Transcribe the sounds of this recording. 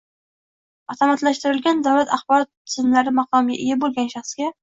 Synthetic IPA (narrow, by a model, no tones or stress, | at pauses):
ɒt̪ʰɒmat̪laʃt̪ɪɾɪlɡʲand̪awlat̪ʰaχbɒɾɒt̪ːsɪnlaɾɪmɑqɒmɡʲa̰ʔɪjabolˠɡʲanʃɑχsɡʲa